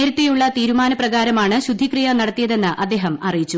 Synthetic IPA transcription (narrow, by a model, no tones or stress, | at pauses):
eɾɐt̪ːejuɭːɐt̪iːɾumaːnɐprɐɣaːɾɐmaːɳɨɕud̪ʱːikrijɐnɐɽɐt̪ːijɐðe̞nːɨʔɐd̪ːe̞ːɦɐmɐrijit͡ɕːu